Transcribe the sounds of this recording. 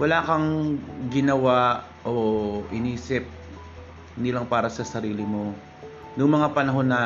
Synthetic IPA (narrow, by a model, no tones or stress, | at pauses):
wɐlaːkɐŋɡɪnɐwa | ʔoʔɪniːsɪp̚ | nɪlaŋpaːɾɐsɐsɐɾiːlɪmo̞ | nʊŋmɐŋapɐnɐɦo̞nːɐ